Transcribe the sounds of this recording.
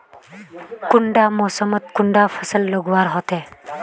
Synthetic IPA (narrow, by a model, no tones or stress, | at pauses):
kuɳɖamɔsəmət̪̚kuɳɖafʰəsəlːəɡʋaɾɦɔt̪e